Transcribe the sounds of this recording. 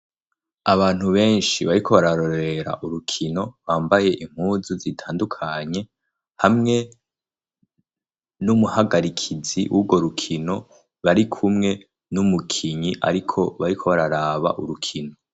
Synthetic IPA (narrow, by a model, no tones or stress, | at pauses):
aβaːn̥huβe̞ːnʃiβaɾikʰo̞βaɾaɾo̞ɾeɾa̰ʔuɾukʰino̞βaːmbaje̞ʔim̥huːzuzitʰaːndukʰaɲe̞ | hamŋe̞ | numuhaɡaɾikʰiziʔubɡo̞ɾukʰino̞ | βaɾikʰumŋe̞ | numukʰiɲiʔa̰ɾikʰo̞βaɾikʰo̞βaɾaɾaːβa̰ʔuɾukʰino̞